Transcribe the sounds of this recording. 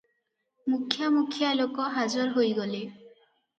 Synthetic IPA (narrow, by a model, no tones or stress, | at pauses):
mukʰːjamukʰːjaelokɔɦazɔɾɦojɡole